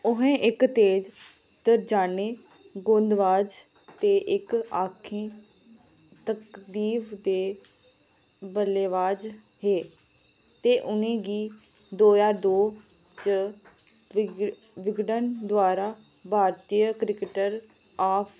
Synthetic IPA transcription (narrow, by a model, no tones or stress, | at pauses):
ʊɦẽːʔɪkt̪eːd͡ʒ | t̪əɾd͡ʒaːneː | ɡõːnd̪ʋaːd͡ʒ | t̪eːʔɪkaːkʰẽː | t̪əkd̪iːʋd̪eː | bəleːʋaːd͡ʒ | ɦeː | t̪eːʔʊnẽːɡiː | d̪oːjaːd̪oː | t͡ʃə | ʋɪɡɖənd̪ʊwaːɾaː | bʱaːɾt̪ijəkɾɪkəʈəɾ | aːpʰ